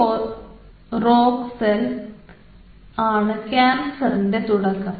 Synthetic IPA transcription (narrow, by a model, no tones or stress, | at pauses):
or | roːɡsel | aːɳɨkʲaːmsɐɾindet̪uɽɐkːɐm